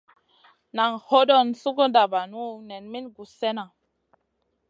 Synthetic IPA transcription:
na˨ŋho˦dɔ˦nsu˦ko˦da˨ba˨nu˦nɛ˨nmi˦nɡu˨sɛ˦na˨

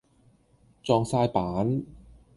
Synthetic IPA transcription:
t͡sɔː˧ŋsaː˧jpaː˨˥n

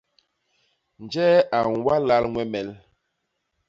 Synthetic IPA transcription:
n˨d͡ʒɛ˦a˨nwa˦la˦lŋwɛ˦mɛ˨l

